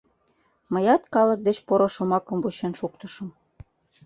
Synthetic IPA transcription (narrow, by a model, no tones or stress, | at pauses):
mə̆jɑt̪kɑlə̆k̚d̪et͡ɕpoɾŏʃomɑkɤ̆mvuɕenʃukt̪ə̆ʃə̆m